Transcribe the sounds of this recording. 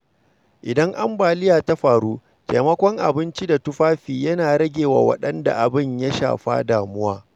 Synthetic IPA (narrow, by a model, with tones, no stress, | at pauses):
ʔɪ˨dɐ˦ŋʔa˦mbaː˨lɪ˦jaː˨ta˦ɸaː˨ɽuː˦ | teː˨mɐ˦kʷɔ˦ŋʔa̰˨bɪ˦nt͡ʃi˦da˨tʊ˦ɸaː˦ɸiː˨jɐ˦naː˨ɾɐ˦ɡʲeː˨wa̰˨wɐ̰˦ɗɐ˦nda̰˨ʔa˨bɪ˦˨ɲja˦ʃa̰ː˨ɸa̰˦daː˨mʊ˦waː˦